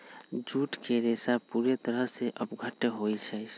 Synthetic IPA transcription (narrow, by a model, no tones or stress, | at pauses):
d͡ʒuʈkeɾesapuɾet̪əɾəseʔəpɡʱəʈɦojt͡ʃʰɛjt͡ʃʰ